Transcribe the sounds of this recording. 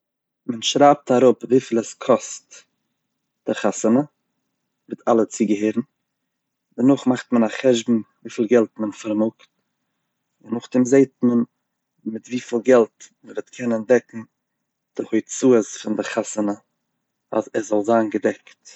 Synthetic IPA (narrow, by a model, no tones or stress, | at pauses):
mənʃɾaːp̚taɾʊpviːfiːlˠɛskʰɔst | d̥ɪχasənə | vɪtalˠət͡sɪɡəɦeːɾn̩ | dənʊχmaχtmənaχɛʒbm̩viːfiːlˠɡɛlˠtmənfaɾmʊkt | dənʊχdɪmzeɪtmən | mɪtviːfiːlˠɡɛlˠtməvɪtkʰɛnəndɛkŋ̩ | d̥ɪhʊɪt͡suːəsfɪndɪχasənə | azɛzɔlˠzaːnɡədɛkt